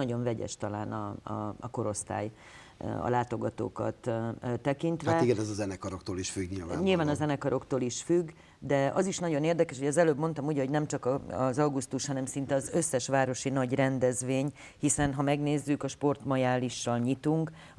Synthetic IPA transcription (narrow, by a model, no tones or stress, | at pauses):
ɒɟo̞ɱvɛɟɛ̰ʃt̪ɒla̰ːnɒɒ̰ɒ̰ko̞ɾo̞st̪a̰ːj | ɒ̰laːt̪o̞ɡɒt̪o̰ːkɒ̰t̪t̪ːɛkint̪ʋɛiɡɛnɛzɒzɛnɛkɒɾokt̪oːliʃfyɡɲilvaːnɲilvaːnɒzɛnɛkɒɾo̞kt̪oːliʃfyɡ | d̪ɛɒziʃnɒɟo̞neːrd̪ɛkɛʃhoɟɒzɛløːbmo̞nt̪ɒmuːɟɛɦoɟnɛmt͡ʃɒkɒɒzɒwɡust̪uʃhɒnɛmsint̪ɛɒzø̞sːɛʃʋaːɾo̞ʃinɒɟrɛnd̪ɛzʋeːɲ | hisɛnɦɒmɛɡneːzːykɒʃpo̞rt̪mɒjaːliʃːɒlɲit̪uŋk